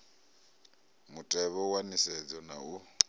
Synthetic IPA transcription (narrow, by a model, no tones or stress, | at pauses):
mutʼɛβɔwanisɛd͡zɔnau